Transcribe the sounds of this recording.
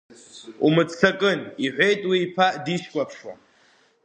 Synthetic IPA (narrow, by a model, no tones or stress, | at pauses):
ṵmɨt͡sʰakʼɨniħʷe̞jtʼwiːpʰaʔdiʃkʷʼapʰʂwa̰